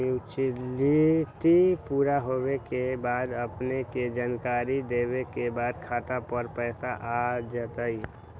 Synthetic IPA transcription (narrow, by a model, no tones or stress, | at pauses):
ut͡ʃiliʈipuːɾaɦowekebaːd̪əpneked͡ʒaːnkaːɾid̪eːwekebaːd̪kʰaːʈ̪apəɾpɛːsaʔad͡ʒat̪ai